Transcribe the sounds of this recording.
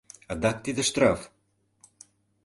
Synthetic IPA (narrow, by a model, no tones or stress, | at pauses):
ad̪ak̚t̪id̪əʃt̪ɾaf